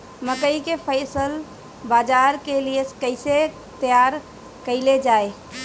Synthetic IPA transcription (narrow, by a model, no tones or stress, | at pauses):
məkəikepʰəɪsəl | bad͡ʒaɾkelieskəɪse | t̪əjaɾ | kəɪled͡ʒae